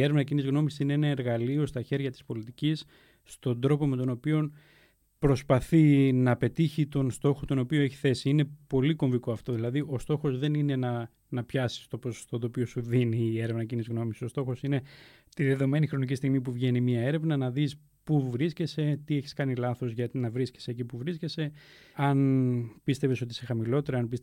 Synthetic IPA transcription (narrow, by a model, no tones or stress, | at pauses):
eɾevnɐcinizɣno̞misisineenɐeɾɣɐlio̞st̪ɐçe̞ɾʝɐt̪i̥spo̞lit̪icisː | t̪o̞nd̪ɾo̞po̞me̞t̪o̞no̞pio̞n | pɾo̞spɐθinɐpe̞t̪içit̪o̞nst̪o̞xot̪o̞no̞pio̞e̞çi̥θe̞siine̞po̞liko̞ɱvikoɐft̪o̞ðilɐðiʔo̞st̪o̞xo̞zðe̞nine̞nɐ | nɐpçɐsi̥st̪o̞poso̥st̪o̞t̪o̞ːpio̞suðiniːe̞ɾevnɐcinizɣno̞miso̞st̪o̞xo̞sine̞ | t̪iðe̞ðo̞me̞nixɾo̞nicist̪iɣmipuvʝe̞nimɐe̞ɾe̞vnɐnɐðis | puvɾisce̞se̞t̪ie̞çi̥skɐnilɐθo̞zʝɐt̪nɐvɾisce̥secipuvɾisce̞se̞ | ɐnpist̪e̞ve̞so̞t̪̬isexɐmilo̞t̪e̞ɾɐɐnpis